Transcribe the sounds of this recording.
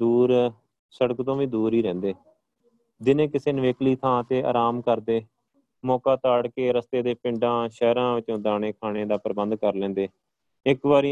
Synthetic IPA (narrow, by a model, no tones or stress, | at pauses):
d̪uːɾ | səɽəkt̪õːʋiːd̪uːɾiːɾɛ̃ːnd̪eː | d̪ɪnẽːkɪseːnəʋeːkliːt̪ʰãːt̪eːʔa̰ːɾaːmkəɾd̪eː | mɔːkaːt̪aːɽkeːɾəst̪eːd̪eːpɪ̃ɳɖãːʃɛːɾãːʋɪt͡ʃõːd̪aːneːkʰaːɽ̃eːd̪aːpəɾbənd̪kəɾlɛ̃ːnd̪eː | ɪkʋaːɾi